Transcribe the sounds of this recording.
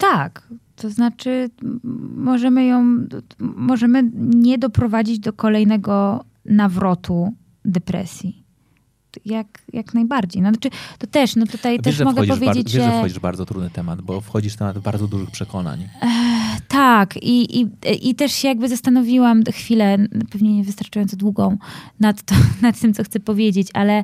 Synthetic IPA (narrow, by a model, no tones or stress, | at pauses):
t̪akt̪ɔznat͡ʂɘ | mɔʐɛmɘjɔ̃w̃ | mɔʐɛmɘɲɛd̪ɔpɾɔvad͡ʑid͡ʑd̪ɔkɔlɛjnɛɡɔ | navɾɔt̪u | d̪ɛpɾɛ̰sʲji | jakjaknajbaɾd͡ʑejnɔat͡ʂɘt̪ɔt̪ɛʂnɔt̪ut̪ajvɛʂmɔɡɛpɔvʲjeɾd͡ʑed͡ʑʲɛʐɛɛɔd͡ʑiʐbaɾd̪zɔt̪ɾṵd̪nɨt̪ɛmad̪bɔfxɔd͡ʑiʂt̪ɛmad̪vbaɾd̪ɔd̪uʐɨxpʂɛkʰɔna̰ɲ | t̪akiʔiʔit̪ɛʂɕɛjaɡ̚bɘzast̪anɔvʲiwamxfʲilɛpɛvɲɛɲɛvɨst̪aɾt͡ʂajɔnt̪sd̪wuɡɔ̃w̃nat̪ːɔnat̪ːɘmt̪sɔxt̪sɛpɔvʲjed͡ʑet͡ɕalɛ